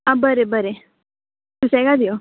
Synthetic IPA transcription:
abəɾebəɾe | t̪usɛɡad̪ijo

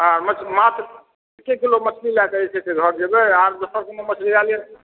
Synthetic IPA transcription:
aɾmət͡ʃmat̪ɾ | kekilomət͡ʃʰlilakəɛt͡ʃʰɛt̪eɡʱəɾd͡ʒebeaɾd̪osəɾkememət͡ʃʰlialje

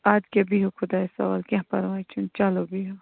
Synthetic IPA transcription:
aːd͡ʒkebiɦokʰʊd̪aːesɐ̰ʋa̰ːlkʲãɦpɐɾʋaːit͡ʃʰunt͡ʃɐlobiɦo

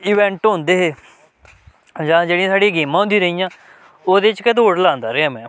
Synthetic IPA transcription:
iːʋɛ̃ːɳʈɦõnd̪eːɦeː | d͡ʒãːd͡ʒeːɽĩãːsaːɽiːɡeːmãːʊ̃nd̪iːɾəijãː | oːd̪eːt͡ʃkɛt̪oːɽlãːnd̪aːɾeːaːmɛ̃ː

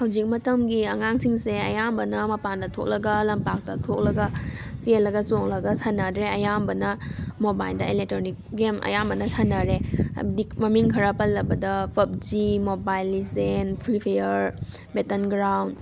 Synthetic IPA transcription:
hawzik̚mɐtɐmɡiɐŋaŋsiŋseɐjambɐnɐmɐpandɐtʰo̰k̚lɐɡɐlɐmpak̚tɐtʰok̚lɐɡɐsielːɐɡɐsok̚lɐɡɐsanadɾeɐjambɐnɐmobajldɐelek̚tɾonik̚ɡemʔɐ̰jambɐnɐsanaɾḛdimɐmiŋkʰɐɾapɐlːɐbɐdɐpʰɐp̚d͡ʒimobajlːisenpʰɾipʰejɐɾ | betɐnɡɾawnd

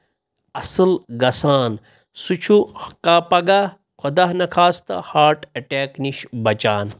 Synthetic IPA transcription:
ɐsɨlɡɐsaːn | sut͡ʃʰuhɐkaːpɐɡa | kʰod̪aɦnɐkʰaːst̪ɐ̰haːɾʈʰɐʈeːkniʃbɐt͡ʃaːn

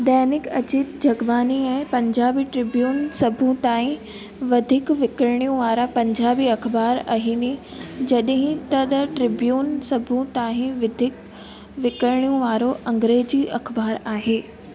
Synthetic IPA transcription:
d̪ɐːnɪkɐ̰t͡ɕit̪̚d͡ʑʱɐɡbaːniɛ̃ːpɐ̃ɲd͡ʑaːbiʈɾɪbjuːnsɐbʱũt̪aːɦĩ | ʋɐd̪ʱɪkʋɪkəɾɽ̃ijũʋaːɾapɐ̃ɲd͡ʑaːbiɐkbaːɾɐ̰ɦĩːni | d͡ʑɐɗɦĩt̪ɐd̪ʈɾɪbjuːnsɐbʱũt̪aːɦĩʋɪd̪ʱɪk | ʋɪkəɾɽ̃ijũʋaːɾoʔɐ̃ŋɡɾeːd͡ʑiʔɐxbaːɾaːɦeː

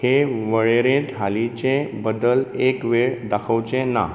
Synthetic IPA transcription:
heʋəɭeɾẽt̪ɦalit͡ɕẽbəd̪əlekʋeɭd̪akʰəwt͡ɕẽna̰

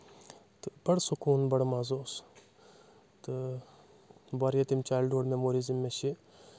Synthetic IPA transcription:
t̪ɨbɐɽsukuːnbɐɽmazoːs | t̪ɨ | baɾjɐt̪imt͡ʃaːjlɖoːɽmemoɾizimːeʃi

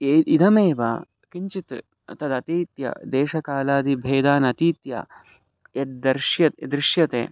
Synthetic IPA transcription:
eid̪ɐmeːʋa̰ː | kiɲt͡ʃit̪ | t̪ɐd̪ɐt̪iːt̪jɐ̰d̪eːʃɐkaːlaːd̪ibʱeːd̪aːnɐt̪iːt̪ja̰ː | jɐt̪̚d̪ɐɾʃjɐt̪d̪ɾɪʃjɐt̪ḛː

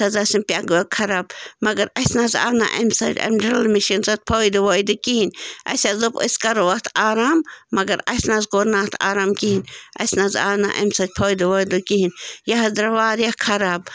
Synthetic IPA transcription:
sɐzɐsimpʲaɡɐkʰɐɾaːbmɐɡɐɾɐsnaza̰ːna̰ʔɐ̰msɐ̰ɾʲɐ̰mɖɾɐlmiʃinsɐt̪̚pʰojd̪uʋojd̪ukiɦinʲɐ̰sʲazɨpə̰skɐɾʋɐt̪ʰaːɾaːmːɐɡɐɾɐ̰snazɡoɾnaːt̪ʰa̰ːɾaːmkiɦinʲɐ̰snaza̰ːna̰ʔɐ̰msɐt̪̚ʲpʰoːjd̪uʋoːjd̪ukiɦinjaɦɐd̪ɾɐʋaːɾjakʰɐɾaːb

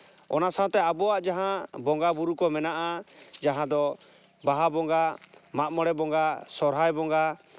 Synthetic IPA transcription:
ɔ̰nasaɔ̃t̪ɛabɔaʔd͡ʒaɦãbɔŋɡabuɾukɔmɛnaʔad͡ʒaɦãd̪ɔ | baɦabɔŋɡamaʔ̚mɔɽɛbɔŋɡasɔɾɦajbɔŋɡa

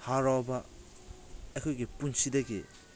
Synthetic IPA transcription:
haɾɔba | ekʰojɡipunsidɐɡḭ

